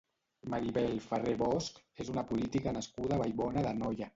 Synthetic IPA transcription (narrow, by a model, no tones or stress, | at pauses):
maɾiβɛlfəreβɔsk | ezunapulit̪ikənəskuðaβajβɔnəðənɔjə